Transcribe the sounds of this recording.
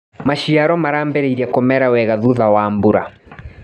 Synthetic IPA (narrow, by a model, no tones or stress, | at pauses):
maʃiaɾɔmaɾambɛɾeiɾiakɔmɛɾawɛɣaðuðawaːmbuɾa̰